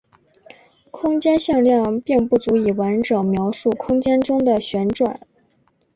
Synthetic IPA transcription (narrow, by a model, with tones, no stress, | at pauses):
kʰʊ˥ŋt͡ɕjɛ˥nɕjɑ˥˧ŋljɑ˥˧ŋpi˥˧ŋpu˥˩t͡su˧˥i˨˩wa˧˥nʈ͡ʂɤ˨˩ŋmjɑ˧˥ʊʂu˥˩kʰʊ˥ŋt͡ɕjɛ˥nʈ͡ʂʊ˥ŋd̪ə˨ɕɥɛ˧˥nʈ͡ʂwa̰˨˩˦n